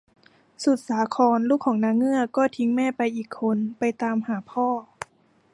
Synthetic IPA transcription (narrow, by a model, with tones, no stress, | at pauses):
su˨˩t̪̚saː˩˦kʰɔː˧nluː˥˩kʰːɔː˩˦ŋnaː˧˥ŋːɯ˥˩ɐkɔː˥˩t̪ʰi˧˦ŋmɛː˥˩˨pa˧jʔiː˨˩kʰːo˧npa˧jt̪aː˧mhaː˩˦pʰɔː˥˩